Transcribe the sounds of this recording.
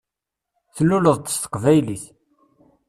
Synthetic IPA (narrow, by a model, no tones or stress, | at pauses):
θnuləðˤt̪ə̥st̪ə̥qvæjliθ